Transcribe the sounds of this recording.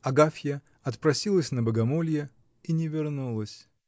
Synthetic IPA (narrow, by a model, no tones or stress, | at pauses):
ɐɡafʲjə | ɐt̪pɾɐsʲilˠəsʲnəbəɡɐmolʲjə | inʲɪvʲɪrnulˠəsʲ